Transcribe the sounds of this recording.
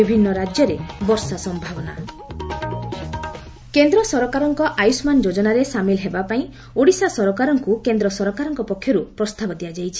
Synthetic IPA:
ibʱinːɔɾad͡ʒjɔɾebɔɾsasɔmbʱabɔna̰ | kend̪ɾɔsɔɾɔkaɾɔŋkɔʔajusmand͡ʒod͡ʒɔnaɾesamilɦebapaĩ | oɽisasɔɾɔkaɾɔŋkukend̪ɾɔsɔɾɔkaɾɔŋkɔpɔkʰːjɔɾupɾɔst̪abɔd̪ijad͡ʒajt͡ʃʰi̥

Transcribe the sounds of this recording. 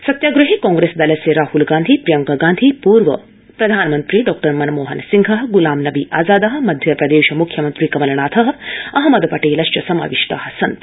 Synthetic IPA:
sɐt̪jaːɡɾuɦikɔ̃ːŋɡɾesd̪ɐlɐseɾaːhulɡãːnd̪ʱipɾijɐŋkɐɡãːnd̪ʱipuːɾʋɐ̰ | pɾɐd̪ʱaːnmɐnt̪ɾiɖɔːk̚ʈɐɾmɐnmoːɦɐnsiŋɡʱɐɦɡulaːmnɐbiʔaːzaːd̪ɐɦɐ̆mɐd̪ʱjɐpɾɐd̪eːʃɐmukʰjɐmɐnt̪ɾiːkɐmɐlɐɳ̃aːt̪ʰɐɦɐ̆ɐɦɐmɐd̪pɐʈeːlɐʃt͡ʃɐsɐma̰ːʋiʂʈa̰ːɦɐsɐnt̪

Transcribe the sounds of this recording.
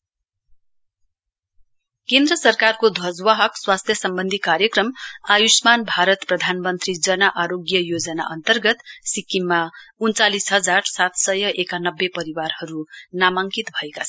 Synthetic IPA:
kẽnd̪rʌsʌrkarkod̪ʱwʌd͡zwaɦʌkswast̪ʰjʌsʌmbʌnd̪ʱikaɾjʌkrʌmajusmanbʱaɾʌt̪prʌd̪ʱanmʌnt̪rid͡zʌnʌʔaɾoɡjʌjod͡zʌna̰ʔʌnt̪ʌrɡʌt̪sikːimːaunt͡salisɦʌd͡zarsat̪sʌjʌʔekanʌbːepʌɾiwarhʌɾunamaŋkit̪bʱʌekat͡sʰʌ

